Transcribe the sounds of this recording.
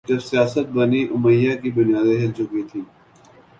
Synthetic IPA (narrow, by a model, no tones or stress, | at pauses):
d͡ʒɐbsijaːsət̪̚bɐniʔʊməjːakibʊnijaːd̪eɦɪlt͡ʃʊkit̪ʰiː